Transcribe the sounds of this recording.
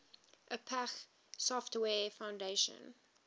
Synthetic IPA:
ʔəpʰæx | sɔftwɛːfãʊ̃ndeʃə̰̃n

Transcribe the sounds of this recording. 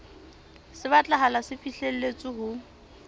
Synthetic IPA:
sɪβat͡ɬʼaɦalasɪfiɬel̩let͡sʼɪɦʊ

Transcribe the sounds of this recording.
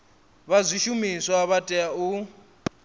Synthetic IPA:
βazʷiʃumiswaβatʼɛau

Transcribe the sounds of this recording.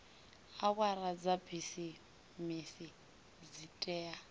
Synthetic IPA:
awwaɾad͡zabisi | misi | d͡zitʼɛːa

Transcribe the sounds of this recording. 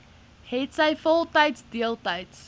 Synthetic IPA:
hɛtsaɪfɔlˠtaɪtsdiəlˠtaɪts

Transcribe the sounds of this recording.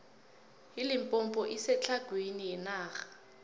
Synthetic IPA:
ilimpʼɔmpʼɔʔisɛt͡ɬʰaɡ̥ʱwiniɛnaːɣḁ

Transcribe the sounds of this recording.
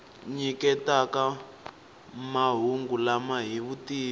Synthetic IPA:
ɲikɛtaka | maɦuŋɡulamaɦiβutiː

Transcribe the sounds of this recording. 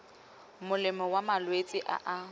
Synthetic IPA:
mʊlɪmɔwamalwet͡sʼɪʔa̰ʔa

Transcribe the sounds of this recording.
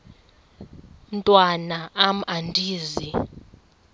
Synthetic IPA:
n̩tʼwanaam̩andʱiːzi

